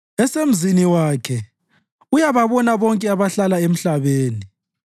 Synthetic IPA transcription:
ɛsem̩ziniwaːkʰɛ | ujaβaβɔnaβɔŋkʼɛaβaɬalaem̩ɬaβeːni

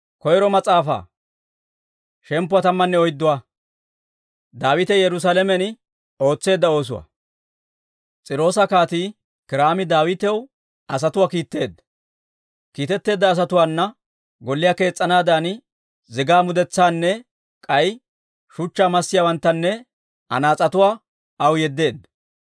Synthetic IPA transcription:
kɔjɾɔmɐt͡sʼaːfa̰ː | ʃɛmpːʊwɐt̪ɐmːɐnːɛɔjd̪ːʊwa | d̪aːwɪt̪ɛjɛɾʊs̬aːlɛmɛn | o̞ːt͡sːe̞ːd̪ːɐo̞ːs̬ʊwɐ̰ | t͡sʼɪɾo̞ːsɐkaːt̪iː | kɪɾaːmɪd̪aːwɪt̪ɛw | ɐs̬ɐt̪ʊwaːkiːt̪ːe̞ːd̪ːɐ̥ | kiːt̪ɛt̪ːe̞ːd̪ːɐːs̬ɐt̪ʊwaːnːɐ | ɡɔlːɪjaːke̞ːt͡sʼːɐnaːd̪aːn | zɪɡaːmʊd̪ɛt͡sːaːnːɛ | kʼɐj | ʃʊt͡ʃːaːmɐsːɪjaːwɐnt̪ːɐnːɛ | ʔɐ̰naːt͡sʼɐt̪ʊwaː | ʔɐwjɛd̪ːe̞ːd̪ɐ

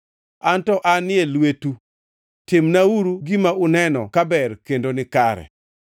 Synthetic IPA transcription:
antɔʔanɪelwetu | tɪmnauɾuɡimaʊnɛnɔ̰kabɛrkendonɪkaɾɛ̰

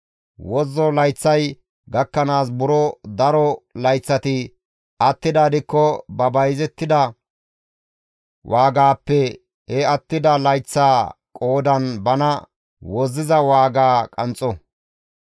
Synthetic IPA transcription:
wɔzːɔlɐjt͡sːɐj | ɡɐkːɐnaːsbʊɾɔd̪ɐɾɔlɐjt͡sːɐt̪ɪ | ʔɐt̪ːɪd̪aːd̪ɪkːɔbɐbɐjzɛt̪ːɪd̪ɐ | wʔaːɡaːpːɛ | hɛɐt̪ːɪd̪ɐlɐjt͡sːaːkʼo̞ːd̪ɐnbɐnɐ | wɔzːɪzɐwaːɡaːkʼɐnt͡sʼːɔ

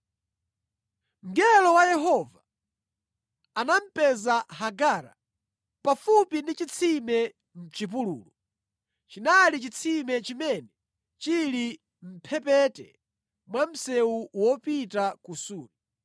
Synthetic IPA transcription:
ŋ̩ɡɛlɔwajɛɦɔva | anam̩pɛzaɦaɡaːɾa̰ | pafupindit͡ʃit͡sʰimɛ | m̩t͡ʃip̬ulṵːlɔ | t͡ʃinalit͡ʃit͡sʰimɛt͡ʃimɛnɛ | t͡ʃili | m̩pʰɛpɛtɛ | mwam̩sɛwuwɔpitakusuːni

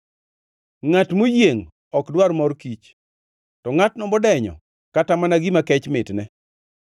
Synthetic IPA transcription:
ŋatmojeŋ | ɔkdwaɾmɔrkit͡ʃ | tɔŋatnɔmbɔdɛɲɔ̰ | katamanaɡimakɛt͡ʃmɪtnɛ

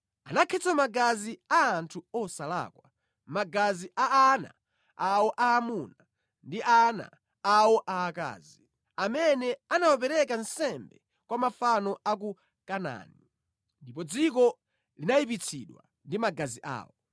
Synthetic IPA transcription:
anakʰɛt͡sʰamaɡaziaːntʰuɔsala̰kwa | maɡaziʔaana̰ | awɔʔaːmuna | ndiʔana̰ | awɔʔaːka̰ːzi | amɛnɛanawap̬ɛɾɛkansɛmbɛ | kwamafanɔak̬u | kana̰ni | ndipɔd͡zik̬ɔ | linajip̬it͡sʰiɗwa | ndimaɡaziʔa̰ːwɔ

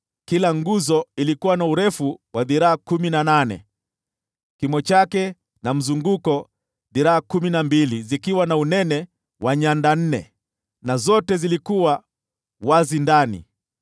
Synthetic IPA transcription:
kilaŋɡuzɔilikuwanauɾɛfuwʔaðiɾaakuminananɛ̰ | kimɔt͡ʃakɛ | nam̩zuŋɡukɔ | ðiɾaakuminambilizikiwanaunɛnɛ | wʔaɲandan̩nɛ̰ | nazɔtɛzilikuwa | wazindanḭ

